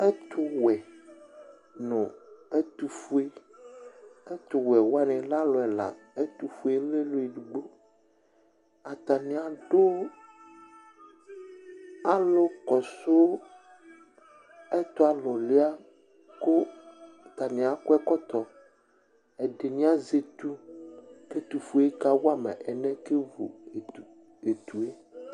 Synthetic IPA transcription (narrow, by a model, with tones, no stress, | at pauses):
ɛ˦t̪ʰʊ˨wɛ˨ | nɔ̃˨e˦t̪u˨fu˦e˦ | e˦t̪ʊ˨wɛ˨wa˦nɛ̃˨la˦lɔ˨ɛ˨la̰˨e˦t̪u˨fu˦e˦le˦lo˨˦e˨ɖu˨ɡ͡bo˦ | a˨t̪a˨nĩ˨a˨ɖo˦ | a˦lo˦kɔ˨so˦ | ɛ˦t̪ɔ˦a˨lɔ˨le˦a˦ | ko˦˨ | t̪a˨nĩ˨a˨ko˦ɛ˦kɔ˦t̪ɔ˨ | ɛ˨ɖe˨nĩ˦a˦ze˨t̪u˦ke˦t̪u˨fu˦e˦ka˦wo˦a˦mɛ̰˨ʔɛ˨nɛ̃˦ke˦vṵ˨ | e˨t̪u˨e˦